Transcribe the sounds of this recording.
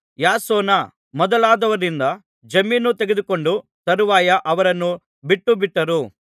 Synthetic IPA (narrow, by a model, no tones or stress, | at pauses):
jaːsɔːnɐ | mɔd̪ɐlaːd̪ɐʋɐɾind̪ɐ | d͡ʒɐmːiːnːut̪eɡed̪uko̞ɳɖut̪ɐɾuʋaːjɐʔɐʋɐɾɐnːu | biʈːubiʈːɐɾu